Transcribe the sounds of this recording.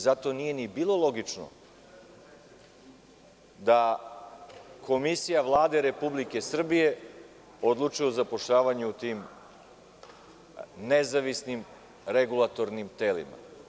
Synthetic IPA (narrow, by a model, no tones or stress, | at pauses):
zat̪o̞nije̞nibiːlˠo̞lˠo̞ɡit͡ʂno̰ | d̪a | kʰo̞misijaʋlˠaːd̪eɾe̞publike̞sr̩bije̞ | od̪lˠut͡ʃujeuzapo̞ʃʎaːʋaɲeut̪iːm | nezaʋisnim | ɾeɡulˠat̪o̞ɾnimt̪elḭma̰